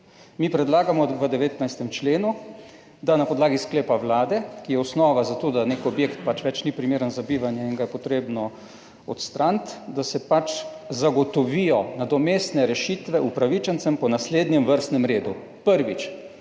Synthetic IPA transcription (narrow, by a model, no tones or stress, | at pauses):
miːpɾɛd̪laːɡamɔʋəd̪ɛʋeːt̪najst̪ɛmt͡ʃleːnu | d̪anapɔd̪laːɡiskleːpaʋlaːd̪ɛkijɛɔsnɔːʋazat̪oːd̪anekɔbjekt̪̚pat͡ʃʋɛt͡ʃnipɾimeːɾənzabiːʋanjɛinɡajɛpɔt̪ɾeːbnɔ | ɔt̪st̪ɾant̪d̪asɛpat͡ʃ | zaɡɔt̪ɔʋijɔnad̪ɔmeːst̪nɛɾɛʃiːt̪ʋɛupɾaʋit͡ʃənt̪sɛmpɔnasleːd̪njɛmʋəɾst̪nɛmɾeːd̪u | pəɾʋit͡ʃ